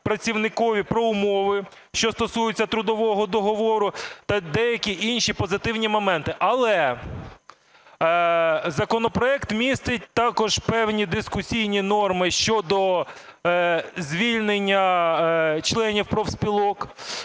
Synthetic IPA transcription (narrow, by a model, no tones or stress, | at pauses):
pɾɐt͡sʲiwnɪkɔʋʲipɾɔʊmɔʋɪ | ʃt͡ʃɔst̪ɔsujʊt͡sʲːɐt̪ɾʊd̪ɔʋɔɦɔd̪ɔɦɔʋɔɾʊt̪ɐd̪ɛjɐkʲiʔinʲʃipɔzɪt̪ɪwnʲimɔmɛnt̪ɪʔɐlˠɛ | zɐkɔnɔpɾɔɛkt̪mʲist̪ɪtʲt̪ɑkɔʒpɛwnʲid̪ɪskʊsʲijnʲinɔrmɪʃt͡ʃɔd̪ɔ | zʲʋʲilʲnenʲːɐ | t͡ʃlˠɛnʲiwpɾɔwsʲpʲilˠɔk